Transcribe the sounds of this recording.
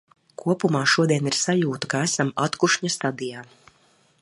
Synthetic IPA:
kʰuɔpumaːʃuɔd̪iɛniɾsajuːt̪u̥kaæsamat̪kuʃɲast̪ad̪ijaː

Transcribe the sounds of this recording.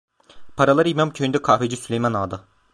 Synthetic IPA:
pʰaɾalˠaɾimamcʰøjnd̪ɛkʰaːfed͡ʒisylʲejmanaːd̪ɯ

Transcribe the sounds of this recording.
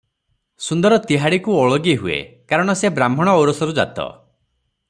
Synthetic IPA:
sund̪ɔɾɔt̪iɦaɽikuɔɭɔɡiɦuḛkaɾɔɽ̃ɔsebɾambʱɔɽ̃ɔːwɾɔsɔɾud͡ʒa̰t̪ɔ̰

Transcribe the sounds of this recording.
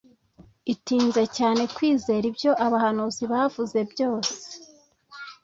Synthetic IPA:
itiːnze̞caːne̞kwiːze̞ːɾibjo̞ʔaβahanuːziβavuze̞bɟo̞ːse̥

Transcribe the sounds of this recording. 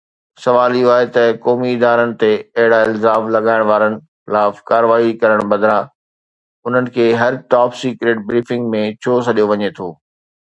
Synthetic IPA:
sɐʋaːliaːɦet̪ɐkɔːmiɪd̪aːɾənɪ̆t̪eɐɦɪɽaɪlzaːmlɐɠaːɪɽ̃ʋaːɾənɪ̆ | xɪlaːfkaːɾʋaːikɐɾəɽ̃bɐd̪ɾa | ʊn̤ənɪ̆kʰeːɦɐɾʈaːpsiːkɾeːʈ̚bɾiːfɪ̃ŋɡmẽt͡ɕʰoːsɐɗijoʋɐɲet̪ʰoː

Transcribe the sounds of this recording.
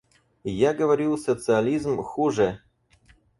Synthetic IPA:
jaɡəvɐɾʲilˠsət̪sɨɐlʲizmxuʐə

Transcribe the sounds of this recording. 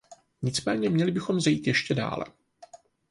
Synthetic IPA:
ɲɪt͡smɛːɲɛmɲɛlɪbɪxo̞mzajiːt̪jɛʃcɛda̰ːlɛ̰

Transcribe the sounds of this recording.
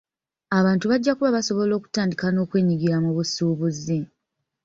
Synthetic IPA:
aβaːntuβaɟːakuβaβaso̞βo̞lo̞ːku̥taːndikano̞ːkwe̞ːɲiɡiɾamuβusuːβuzi

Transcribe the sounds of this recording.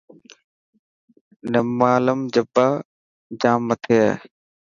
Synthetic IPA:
nəmaːləmd͡ʑəbaː | d͡ʒaːmːət̪ʰe

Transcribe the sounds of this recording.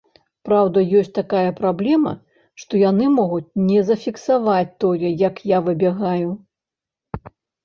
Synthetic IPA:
pɾawd̪ɐjɔsʲtʲt͡sʲt̪akajɐpɾablʲɛmɐ̰ | ʂt̪ɔjanɨmɔɣut͡sʲnʲɛzɐfʲiksavat͡sʲt̪ɔjɛjɐkjavɨbʲɛɣaju

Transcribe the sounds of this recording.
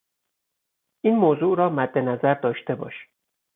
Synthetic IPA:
ʔiːnmoːzuːɾɒːmæd̪ːe̞næzæɾd̪ɒːʃt̪e̞bɒ̰ːʃi̥

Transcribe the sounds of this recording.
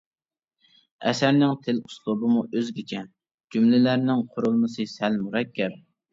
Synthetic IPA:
ɛ̰sæɾnɪŋt̪ʰɪlʊ̥slˠʊbɨmuʔøzɡʲit͡ʃʰɛ | d͡ʒumlɪlæɾnɪŋqʰʊɾulˠmɨsɨsælmuɾɛkʲʰːɛɾ

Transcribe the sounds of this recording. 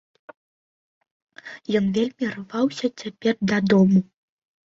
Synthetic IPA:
jɔnvʲelʲmʲirvawsʲɐt͡sʲapʲɛrd̪ɐd̪ɔmu

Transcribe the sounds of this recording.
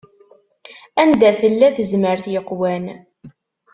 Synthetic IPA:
ænd̪æθəlːæðəzməɾθjəqːwæn

